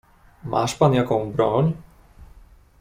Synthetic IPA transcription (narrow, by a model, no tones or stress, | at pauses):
mʔa̰ːʃpanjakɔwmbɾɔɲ